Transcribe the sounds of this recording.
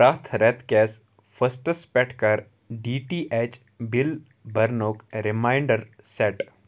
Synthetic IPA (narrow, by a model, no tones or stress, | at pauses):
ɾaːt̪ʰɾɛt̪kɛːs | fʰəsʈəspɛʈkɐɾ | ɖiːʈiʔet͡ʃ | bil | bɐɾnoːkɾɪmaːɪɳɖəɾseːʈ